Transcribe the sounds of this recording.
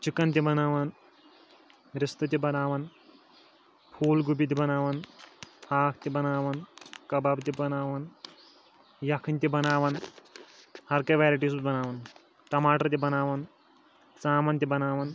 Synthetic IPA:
t͡ʃikɐnt̪ibɐnaːʋɐn | ɾist̪ɐt̪̬ibɐnaːʋɐn | pʰuːlɡubit̪̬ibɐnaːʋɐnhaːkʰt̪ibɐnaːʋɐnkɐbaːbt̪ibɐnaːʋɐn | jɐkʰɐnt̪ibɐnaːʋɐn | hɐɾkɐjʋaːɾiʈiːs̬ubɐnaːʋɐn | ʈɐmaːʈɐɾt̪̬ibɐnaːʋɐn | t͡saːmɐnt̪ibɐnaːʋɐn

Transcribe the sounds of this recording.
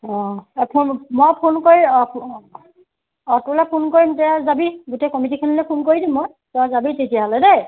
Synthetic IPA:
ɔ̃pʰunmɔjpʰunkoɹiɔp | ɔtulapʰunkoɹimtɛazabiɡutɛkɔmitikʰɛnilɛpʰunkoɹidĩmːɔj | tɛ̃zabitetijaɦɔlɛdɛ

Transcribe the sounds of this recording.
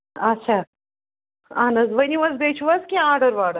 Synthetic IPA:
ɐtːt͡ʃʰa | aːnɐzʋɐniʋɐzbeːt͡ʃʰuʋɐskʲaaːɖɐɾʋaːɽɐ

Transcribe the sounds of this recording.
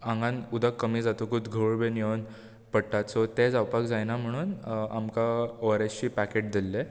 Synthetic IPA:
ãŋɡãnud̪əkːəmiːd͡zat̪okud̪ɡʱəʋɭbenjeʋən | pəɽʈat̪sɔt̪ed͡zawpakd͡zajnam̤əɽ̃uːnamkaɔɾeɕt͡ɕiːpækeʈ̚d̪ilːe

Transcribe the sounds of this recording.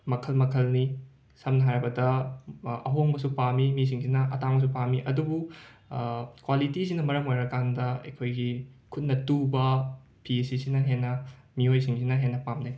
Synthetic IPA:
mɐkʰɐlmɐkʰɐlni | sɐmnɐɦaɾɐbɐdɐ | ɐɦoŋbɐsupamimis̬iŋsinɐʔɐtaŋbɐs̬upamiʔɐdubu | kwalitis̬inɐmɐɾɐmojɾɐkandɐḛjkʰojɡikʰut̚nɐtubɐ | pʰiesisinɐɦenːɐ | miojsiŋs̬inɐɦenːɐpamne

